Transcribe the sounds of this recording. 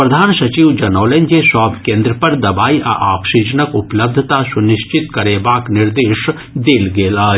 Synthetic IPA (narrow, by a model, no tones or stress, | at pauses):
pɾɐd̪ʱaːnsɐt͡ʃiʋd͡ʒɐnoːlend͡ʒesaːbʱkẽːnd̪ɾəpɐɾd̪ɐbaːiʔɐ̰ʔaːksid͡ʒənəkʊpləb̚d̪ʱət̪asʊnɪʃt͡ʃɪt̪kɐɾeːbaːknɪɾd̪eːʃ | d̪eːlɡeːlaː